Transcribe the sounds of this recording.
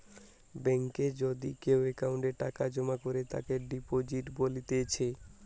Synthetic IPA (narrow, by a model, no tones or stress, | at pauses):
bɛŋked͡ʑod̪ikewekauɳʈeɾʈakad͡ʑomakoɾet̪a̰keɖipod͡ʑiʈbolit̪et͡ɕʰe